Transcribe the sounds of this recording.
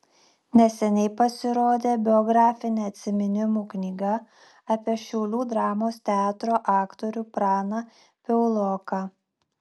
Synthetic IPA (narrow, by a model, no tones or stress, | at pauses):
nʲɛsʲɛnʲɛɪpɐsʲɪɾoːd̪ʲeːbʲɪɔɡɾɑːfʲɪnʲeːɐt̪ʲsʲɪmʲɪnʲɪmuːknʲiːɡɐ | ɐpʲiɛʃʲɛʊlʲuːd̪ɾɑːmoːst̪ʲɛɑːt̪ɾoːʔɑːkt̪oɾʲuːpɾɑːnɑ | pʲɛʊlˠoːkɑ